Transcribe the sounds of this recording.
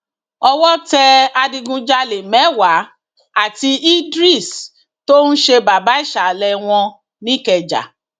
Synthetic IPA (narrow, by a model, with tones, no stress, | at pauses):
ɔ˧wɔ˦tɛ˧a˧dĩ˧ɡũ˧d͡ʒa˧le˨mɛ˨˦wa˨˦ | a˦˨ti˧ʔi˦dɾi˦˨s | to˦nũ˦ʃe˧ba˨ba˨˦i˦˨ʃa˨lɛ˧w̃ɔ̃˧ | nĩ˦kɛ˨d͡ʒa̰˨